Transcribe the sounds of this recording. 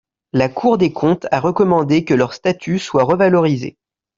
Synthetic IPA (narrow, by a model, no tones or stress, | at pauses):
lakʰuʁd̪ekʰɔ̃t̪ʰaʁəkɔmɑ̃d̪ekəlœʁst̪at̪ʰyswaʁəvalɔʁizḛ